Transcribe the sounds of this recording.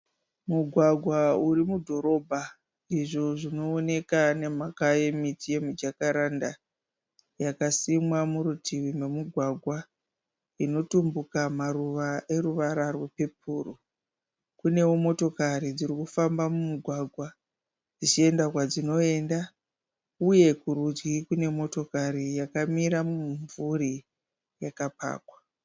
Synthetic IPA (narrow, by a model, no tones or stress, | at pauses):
muɡʱwaɡʱwauɾimudʱo̞ɾo̞bʱa | iʐo̞ʐino̞ːne̞kane̞makajemitije̞mud͡ʒakaɾanda | jakasimwamuɾutʰiwimemiɡʱwaɡʱwa | ino̞tumbukamaruʋaʔe̞ɾuʋaɾarwepe̞pʰuːru | kune̞womo̞to̞kaɾid͡ziɾikufambamumuɡʱwaɡʱwa | d͡zit͡ʃie̞ndakwad͡zino̞e̞nda | uje̞kuɾud͡ʒɡikune̞mo̞to̞kaɾijakamiɾamuɱvuɾi | jakapa̰ːkwa